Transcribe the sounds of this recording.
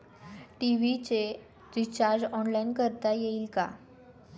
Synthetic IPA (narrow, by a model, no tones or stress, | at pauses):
ʈiʋit͡ɕe | tit͡ɕaɾd͡ʑɔnlainkəɾt̪ajeiːlka̰